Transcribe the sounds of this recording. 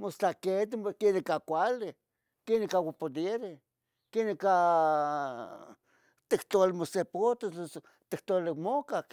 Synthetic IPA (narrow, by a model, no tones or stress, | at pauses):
most͡ɬaket̪ɪmokenekakʷalɪ | kenekawapod̪eɾɪ | keneka | t̪ekt̪oalɪmosepot̪oos | t̪ikt̪olɪmokak